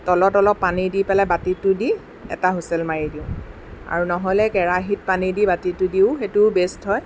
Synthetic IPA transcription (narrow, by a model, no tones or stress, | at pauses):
tɔlɔtɔlɔpːanidipɛlabatitʊdi | ɛ̰taɦusɛlmaɹidiʊ̃ | a̰ɹunɔɦɔlɛkɛɹaɦit̚panidibatitʊdiʊxetʊbestɦɔj